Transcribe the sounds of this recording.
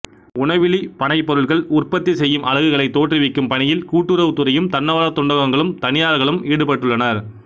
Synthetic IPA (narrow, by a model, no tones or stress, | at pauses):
ʊɳɐʋɪɭipɐɳɐɪpːɔɾɯɭɣɐɭʊrpɐt̪ːisɛjːɯmʔɐɻɐɣɯɣɐɭɐɪt̪ːoːʈrɪʋɪkːɯmpɐɳɪjɪlkuːʈːɯɾɐʋɯt̪ɯɾɐjɯmt̪ɐnːɐʋaːlɐt̪ːʊɳɖɐɣɐŋɡɐɭɯmt̪ɐnɪjaːɭɣɐɭɯmʔiːɽɯpɐʈːɯɭːɐnɐɾ